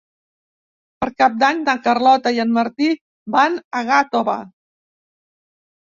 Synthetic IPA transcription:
pəɾkap̚d̪aɲd̪əkərlɔt̪əiənməɾt̪i | banəɣat̪oβa̰

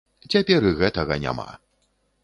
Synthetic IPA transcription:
t͡sʲapʲɛɾɨɣɛt̪ɐɣɐnʲa̰ma̰

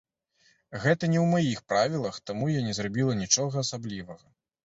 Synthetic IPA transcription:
ɣɛt̪ɐnʲɛwmajixpɾavʲilˠɐxt̪amujanʲɛzrabʲilˠɐnʲit͡ʂɔɣɐːsablʲivɐɣɐ

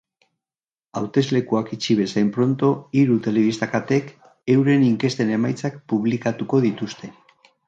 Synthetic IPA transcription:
awt̪e̞zle̞kuakit͡ʃiβ̞e̞sajmpɾo̞nt̪o̞iɾut̪e̞le̞βist̪akat̪e̞k | e̞wɾe̞niŋke̞st̪e̞ne̞majt͡sakpuβ̞likat̪uko̞ðit̪ust̪e̞

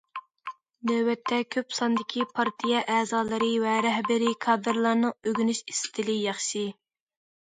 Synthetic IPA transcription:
nøwɛt̪ʰːɛkʲʰøpsɑnd̪ɪkʲʰipʰɑɾt̪ʰijɛʔæːzɑːlˠɨɾɨvɛɾɛɦbɪɾikʰɑːd̪ɨɾlˠɑɾnɨøɡʲynyʃi̥st̪ʰɪlɪjɑχʃi

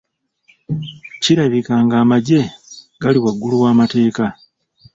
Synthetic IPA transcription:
ciɾaβikaːŋɡaːmaɟe̞ | ɡaliwaɡːuluwaːmate̞ːka

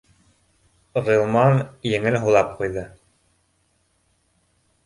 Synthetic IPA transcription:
ʁɤ̆lˠmɑnjɘ̆ŋɘlɦulˠɑp̚qujðɤ

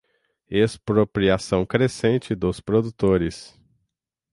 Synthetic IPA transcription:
espɾopɾiasɐ̃w̃kɾesẽnt͡ʃɪd̪ʊspɾod̪ut̪oɾɪs

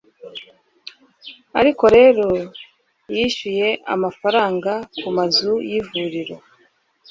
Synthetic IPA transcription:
a̰ɾiko̞ɾe̞ːɾo̞ | jiʃuje̞ʔa̰mafaɾaːŋɡakumazujivuɾiɾo̞

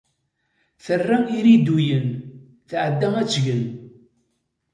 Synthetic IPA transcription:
θərːaiɾid̪ujən | θʕəd̪ːææt͡sːʝən

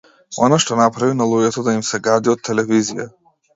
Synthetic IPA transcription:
ɔnaʃt̪ɔnapɾavinalˠuɟɛt̪ɔd̪aimsɛɡad̪iɔt̪ʰːɛlɛvizija̰

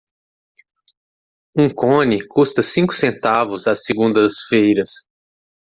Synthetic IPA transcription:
ũkõnɪkust̪ɐsĩkʊ̥sẽnt̪avʊzasɪɡũnd̪ɐsfejɾɐs

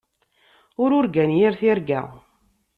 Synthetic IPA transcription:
ʊɾʊɾɡænjiɾθiɾɡæ̰ʁ

